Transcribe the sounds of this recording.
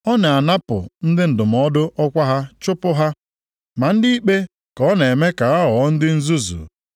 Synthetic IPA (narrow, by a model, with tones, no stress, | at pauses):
ɔ˦na˨a˨na˦pʊ̰˨n̩˦dɪ˦n̩˨dʊ˨m̩˨ɔ˦dʊ˦ʔɔ˦kʷa˦ɦa˦t͡ʃʊ˦pʊ˦ɦa˦ | ma˨n̩˦di˦i˦k͡pe˦ | kɔ˦ne˨me˦ka˨ɣa˦ɔ˨˦n̩˦dɪ˦n̩˦zu˦zṵ˨